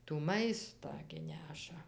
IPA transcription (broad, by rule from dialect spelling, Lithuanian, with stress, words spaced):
tuː ˈmɐɪstɑː ɡʲɪ ˈnʲæːʃɐ